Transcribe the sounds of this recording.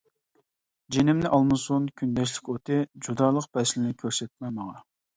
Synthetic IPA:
d͡ʒenɪmnɪʔɑlˠmɨsunkʲʰynd̪ɛʃ̬lɪkʲot̪ɨd͡ʒud̪ɑːlˠəq̚pɛslɪnɪkʲʰøɾsɛt̪̚mɛməʁɑ

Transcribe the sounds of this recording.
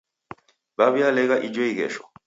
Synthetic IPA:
baβialɛɣaʔid͡ʒɔiɣɛ̰ʃɔ

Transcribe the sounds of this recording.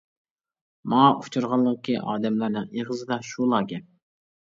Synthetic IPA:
mɑut͡ʃʰuɾʁɑlˠːəʁəkʲʰiʔɑ̰ːd̪ɛmlæɾnɨŋeʁəzɨd̪ɑʃulˠɑːɡʲɛ

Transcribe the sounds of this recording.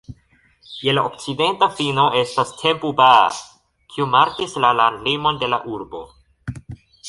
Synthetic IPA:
je̞laʔok̚t͡side̞ntafino̞e̞stastʰe̞mpuba̰ | kʰiumaɾkislalanlimo̞nde̞la̰ʔuɾbo̞̰

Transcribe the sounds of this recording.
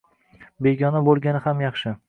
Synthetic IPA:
be̞ɡʲɒnabolˠɡʲanɪhamjɑχʃɪ

